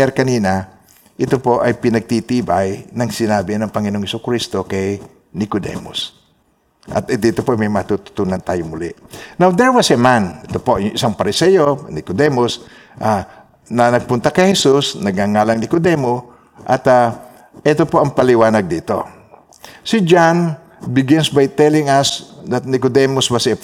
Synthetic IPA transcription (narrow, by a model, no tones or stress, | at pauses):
aɾkɐniːna | ʔɪt̪opo̞ʔɐjpɪnɐɡ̚t̪it̪ibajnɐŋsɪnaːbɪnɐŋpɐŋɪnooŋhɪsʊkɾist̪okɐj | nɪkod̪ɛ̰mo̰s | ʔɐ̰t̪d̪iːt̪opoʔjmɐjmat̪ut̪ʊ̥t̪uːnant̪aːjoŋmʊlɪʔnawd̪ɛɹwasɛmanɪt̪opoʔjʊŋʔɪsaŋpɐɾɪsɛjonɪkod̪ɛmos | ʔa | nɐnɐɡ̚pʊnt̪ɐkɐjhɛsusnɐɡ̚aŋaːlaŋnɪkod̪ɛmo | ʔɐt̪a | ʔɛt̪opoʔɐŋpɐlɪwaːnɐɡ̚d̪iːt̪o̰ | sid͡ʒan | bɪɡɪnsbajt̪ɛlɪŋasd̪ɐt̪̚nɪkod̪ɛmʊsbɐsɪ